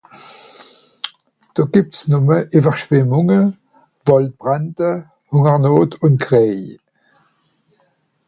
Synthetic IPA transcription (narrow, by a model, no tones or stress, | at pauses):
d̥oːɡ̥ip̚tsnʊməʔivəʁʃv̥ɪmʊŋə | v̥ɔlt̚b̥ʁantə | hʊŋəʁnoːtʊntɡʁeː